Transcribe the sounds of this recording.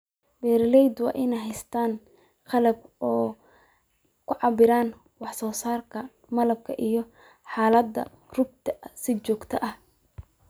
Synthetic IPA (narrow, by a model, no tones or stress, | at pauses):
bɛːɾɪlɛjd̪wɑ̰ːʔɪnɛjɦɛjst̪ʰaːn | qɑlɐb̚ɔː | kʰʊʕɑbɪɾaːn | wɑħsɔːsaːrkʰɐ | mɐlɐb̚kʰɐʔijɞ | ħaːlɐd̪ːɐ̰ | rʊb̚t̪ʰɐsɪt͡ʃɔːɡt̪ʰɐʔɐh